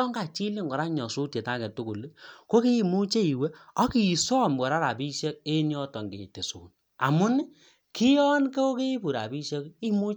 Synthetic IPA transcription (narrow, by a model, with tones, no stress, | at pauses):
ɔ˦ŋɡa˨t͡ʃi˦li˦ŋɡɔ˨ɾa˦ɲɔ˨su˦tje˨ta˦kɛ˨tu˦ku˨lko˦ki˦i˨mu˦t͡ʃe˦i˨we˦ɔ˦ki˨i˨sɔ˦˨mbɔ˨ɾa˦ɾa˨pi˦ʃɛ˦k̚e˦ɲ˦ɔ˦tɔ˨ŋɡḛ˨te˨sṵː˨n | a̰˨mʊ˦n˦ | kʰɪ˦jɔ˦nke˦o˦ke˦i˦pu˨ɾa̰˨bi˦ʃe˦ki˦mu˦